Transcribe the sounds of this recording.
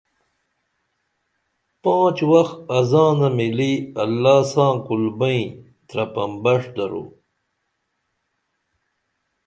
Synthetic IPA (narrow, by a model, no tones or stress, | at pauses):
pãːt͡ɕwɐxɐzãːnɐmiliɐlːaːsãːkulbɐĩ | t̪ɾɐpɐmbɐʂd̪ɐɾṵ